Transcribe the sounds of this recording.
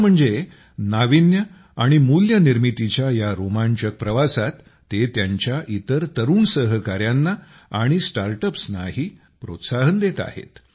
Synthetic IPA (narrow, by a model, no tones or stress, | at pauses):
m̤əɳd͡ze | naʋinjə | aɽ̃imuljəniɾmit̪it͡ɕjajaɾomaɲt͡ɕək̚pɾəʋasat̪ː | et̪jaɲt͡ɕjaʔit̪əɾt̪əɾuːnsəɦəkaɾjanːa | aɽ̃isʈaɾʈəpsnaɦiː | pɾo̰t̪saɦənd̪et̪a̰hḛt̪